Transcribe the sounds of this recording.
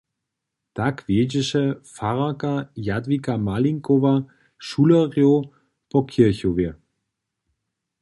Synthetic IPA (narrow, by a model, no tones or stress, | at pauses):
d̥akv̥eːd͡ʒɪʃəfaʁɐkajadvikamaliŋkova | ʃuːlɐʁjo | pʰɔkʰɪɐçove